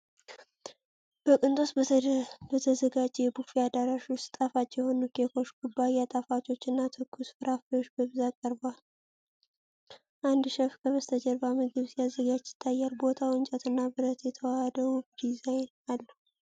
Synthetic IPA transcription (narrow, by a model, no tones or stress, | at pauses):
b̥əkʼɨnt̪ʼos | bət̪ʰəzəɡad͡ʒɛjɛbufiad̪aɾaʃwʊst̪t̪ʼafat͡ʃʼːjɛho̞nukʰeko̞t͡ʃːɡubːajat̪ʼafat͡ʃʼo̞t͡ʃːɨnːat̪ʰɨkʰːusfɨɾʔafəjot͡ʃːbəβɨzakʼəɾbal | ʔand̪ʃɛfkʰəβəst̪ʰəd͡ʒɛɾbamɨɡɨβsjazːəɡad͡ʒɪ̥t̪ʰːajːalbo̞t̪ʰawɨnt͡ʃʼət̪ʰɨnːabɨɾət̪jɛt̪ʰəwahəd̪əwd̪izajn | alːə